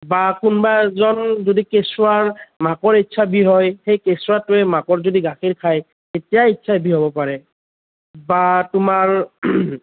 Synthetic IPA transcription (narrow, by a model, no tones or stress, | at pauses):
bakʊnbazɔnzodikesʊwaɹmakɔɹitːsʰabiɦɔjxejkesʊatʊɛmakɔɹzodiɡaxiɹkʰaj | tetijaitːsʰabʱiɦobɔpaɹɛ | batʊmaɹ